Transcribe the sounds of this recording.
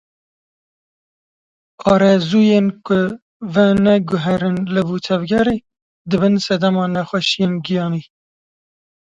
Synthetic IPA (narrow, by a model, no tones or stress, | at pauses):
ɑːɾɛzuːjenkʊ | vɛnɛɡʊɦɛɾɨnlɨvut̪ʰɛvɡɛɾeː | d̪ɨbɨnsɛd̪ɛmɑːnɛxʷɛʃijeːnɡijɑːniː